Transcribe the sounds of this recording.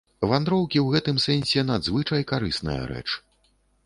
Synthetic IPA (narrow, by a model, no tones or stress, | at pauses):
vand̪ɾɔwkʲiwɣɛt̪ɨmsɛnʲsʲɛnad̪zvɨt͡ʂɐjkaɾɨsnɐ̰jɐ̰ɾɛ̰t͡ʂ